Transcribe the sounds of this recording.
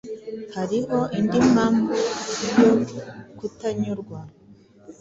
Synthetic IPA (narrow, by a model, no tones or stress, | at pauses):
haɾiho̞ʔindimambuɾjokutaɲuɾɡwa